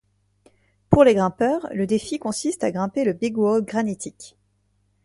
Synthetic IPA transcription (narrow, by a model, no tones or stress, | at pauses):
puʁleɡʁɛ̃pœːʁləd̪efikɔ̃sist̪aɡʁɛ̃peləbiɡwoɡʁanit̪ʰik